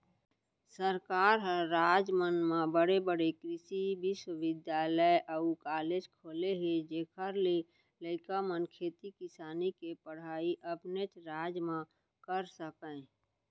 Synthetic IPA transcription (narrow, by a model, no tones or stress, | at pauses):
səɾkaːɾɦə̃ɾaːd͡ʒmənmãbəɽebəɽekɾɪsibiswəwɪd̪jaːləeʔəukaːleːd͡ʒkʰoːleɦed͡ʒeːkʰəɾle | ləɪkamənkʰeːt̪ikɪsaːnikepəɽ̤aːiʔəpnet͡ʃɾaːd͡ʒmã | kəɾsəkə̃